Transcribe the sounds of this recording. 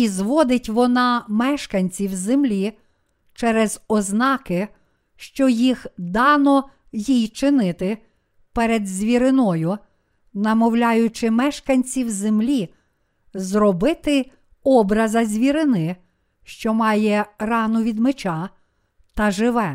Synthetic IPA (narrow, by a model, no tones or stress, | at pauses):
izʋɔd̪ɪtʲʋɔnɑmɛʃkɐnʲt͡sʲiwzemlʲi | t͡ʃɛɾɛzɔznɑkɪ | ʃt͡ʃɔjixd̪ɑnɔ | jijt͡ʃɪnɪt̪ɪ | pɛɾed̪zʲʋʲiɾɪnɔjʊ | nɐmɔwlʲɑjʊt͡ʃɪmɛʃkɐnʲt͡sʲiwzemlʲi | zrɔbɪt̪ɪ | ɔbɾɐzɐzʲʋʲiɾɪnɪ | ʃt͡ʃɔmɑjɛrɑnɔʋʲid̪met͡ʃɑ | t̪ɐʒɪʋɛ